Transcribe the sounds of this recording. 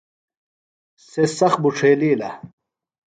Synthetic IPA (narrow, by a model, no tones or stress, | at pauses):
sesɐxbuʈ͡ʂʰeːliːlɐ̰